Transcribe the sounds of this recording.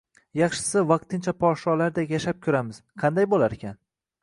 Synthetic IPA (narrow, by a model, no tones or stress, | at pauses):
jɑχʃɪ̥sɪvɑq̚t̪ʰɪnt͡ʃʰapʰɒʃɒlaɾd̪akʲjaʃap̚kʲʰʊɾamɪz̥qʰɑnd̪ajbolaɾekʲan